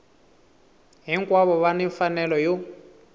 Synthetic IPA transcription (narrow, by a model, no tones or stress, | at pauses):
ɦiŋkwaβɔβaniɱfanɛlɔjo